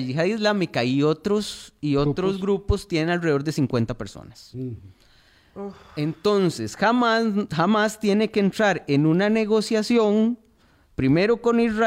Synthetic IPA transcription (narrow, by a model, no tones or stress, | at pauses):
ixaðizlamikaiot̪ɾosiot̪ɾozɡɾupost̪je̞nenalreo̞ɾd̪e̞siŋkwe̞nt̪ape̞ɾso̰nas | ent̪o̞nse̞sxamaxamast̪je̞nekeːnt̪ɾaɾenunane̞ɣo̞sjasjo̞ŋ | pɾime̞ɾoko̞nizra